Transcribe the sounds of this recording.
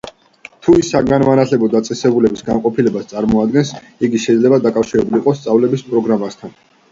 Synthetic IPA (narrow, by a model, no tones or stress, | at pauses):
t̪ʰuisaɡanmanat̪ʰlɛbɔd̪at̪sʼɛsɛbulɛbisɡamqʼɔpʰilɛbast̪sʼaɾmɔad̪̚ɡɛns | iɡiʃɛd̪lɛbad̪akʼafʃiɾɛbuliqʼɔst̪sʼavlɛbispʼɾɔɡɾamast̪ʰan